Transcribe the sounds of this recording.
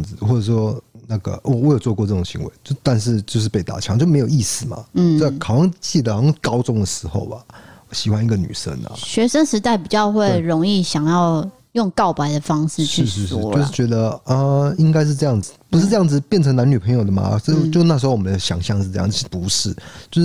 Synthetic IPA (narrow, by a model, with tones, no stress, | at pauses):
ŋd͡z̩˨˩xwɔ˥˩ʈ͡ʂə˨˩ʂwɔ˥na˥˩ɡə̰˩ʔɔ˧˦wɔ˦˥jo˨˩ʊt͡swɔ˥˧kwɔ˥˧ʈ͡ʂɤ˥˩ʊ˨˩ŋɕḭ˧˥ŋwḛ˧˦t͡ɕo˥˧t̪a˥˧nʂ̬ɻ̩˥˧t͡ɕjo˥˧ʊʂ̬̩˥˧˩pe˥˩ɪt̪a̰˨˩t͡ɕʰɑ˨˥˦ŋt͡ɕjo˥˧˩me˧˥ɪji˥˩sɹ̩˨˩ma̰˩˥˩kʰɑ˨˩ʊwɑ˥˧ŋt͡ɕi˥˩d̪ə˩˨˩kɑ˥ʊt͡sʊ˥ŋd̪ə˨ʂɻ̩˧˥xo̰˥˩ʊɐ˩˨˩ɕi˨˩xwa˦ni˥˩ɡə˨ny̰˨˩ʂə̰˥nɐ̰˨ɕɥɛ˧˥ʂə˥nʂɻ̩˧˥t̪a˥˩ɪpi˨˩t͡ɕjɑ˥˧ʊxwe˥˩˥ɪɻo˧˥ŋi˥˩ɕjɑ˨˩ŋjɑ˥˧ʊ | jʊ˥˧ŋkɑ˥˩ʊpa˧˥ɪd̪ə˧fɑ˥ŋʂ̩˥˧ʂt͡ɕʰyɻ̩˥˧ʂɻ̩˧ʂ̩˥˧˥jo˥˧ʊʂɻ̩˥˩t͡ɕɥɛ˧˥d̪ə˧ə˧i˥ŋka˥ɪʂ̬ɻ̩˥˧ʈ͡ʂɤ˥˧jɑ˥˩ŋd͡zɹ̩˨˩pu˧˥ʂɻ̩˥˧ʈ͡ʂɤ˥˧jɑ˥˩ŋd͡zɹ̩˩pjɛ˥˩nʰɤ˧˥ŋna˧˦ny˨˩pʰə˧˥ŋjo˨˩d̪ə˩ma̰˨˩o˥˧t͡ɕjo˥˧˥na˥˩ʂ̩˧xo˥˧wɔ˨m˧˦na˧ɕjɑ̰˨˩˦ŋɕjɑ˥˧ŋʂ̩˥˧ɤ˥˧jɑ̰˥˨˧ʂ̩˥˩pu˧˦˥ʂɻ̩˥˩t͡ɕjo˥˧ʊʂ̩˥˩